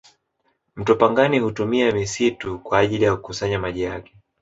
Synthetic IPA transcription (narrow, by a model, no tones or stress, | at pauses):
m̩tɔpaŋɡanihutumiamisitukwaːʄilijakukusaɲamaʄijakɛ̥